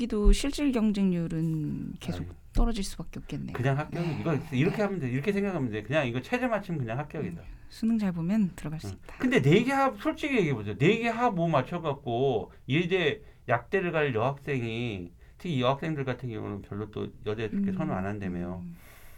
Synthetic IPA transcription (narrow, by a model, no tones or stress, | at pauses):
ɡidoɕʰiɭt͡ɕ͈iɭɡjʌŋd͡ʑeŋɲuɾɯnkesʰok̚ | t͈ʌɾʌd͡ʑiɭs͈ubak͈eʌpk͈e̞nːḛkɯɲaŋɦhak̚k͈jʌɡiiɡʌiɾʌkʰe̞hʰamjɯndeiɾʌkʰe̞sʰeŋɡakʰamjʌndekɯɲaŋiɡʌɭt͡ɕʰed͡ʑemat͡ɕʰimkɯɲaŋhap̚k͈jʌɡida | sʰunɯŋd͡ʑaɭbomjʌntɯɾʌɡaɭsu̥ḁkɯnde̞ne̞iɡehasʰoɭt͡ɕ͈iɡieɡibosʰejone̞iɡe̞ɦamomat͡ɕʰʌɡak̚k͈o | iede̞ | jak̚t͈e̞ɾɯɭɡaɭjʌɦak̚s͈e̞ŋi | tʰɯkʰijʌɦak̚s͈e̞ŋdɯɭkatʰɯnɡjʌ̰ŋṵnɯnpjʌɭːot͈o̰jʌdetʰɯkʰesʰʌnoa̰nɦandemejo